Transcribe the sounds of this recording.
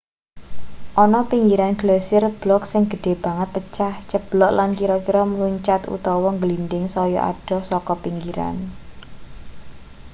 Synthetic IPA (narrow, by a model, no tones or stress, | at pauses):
ʔɔnɔpiŋɡiɾanɡ̥lɛsɪrb̥lɔksɪŋɡ̥ə̤ɖ̥e̤b̥a̤ŋət̪̚pət͡ʃaht͡ʃəb̥lɔʔlankiɾɔkiɾɔməluɲt͡ʃat̪ṵt̪ɔwɔŋɡəlinɖɪŋsɔjɔ̰ʔa̰ɖ̥ɔ̤sɔkɔpiŋɡiɾa̰n